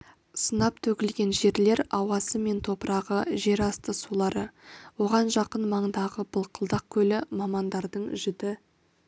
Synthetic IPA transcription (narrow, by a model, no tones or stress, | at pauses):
sənɑpt̪ʰɵkʲɪlɡʲe̞nʒe̞ɾle̞ɾɑwɑsəme̞nt̪ʰo̞pəɾɑʁəʒe̞ɾɑst̪əsulˠɑɾəwo̞ʁɑnʒɑqənmɑɴd̪ɑʁəbəlˠqʰəlˠd̪ɑq̚kʲʰɵlɪmɑmɑnd̪ɑɾd̪əɴʒʏd̪ɪ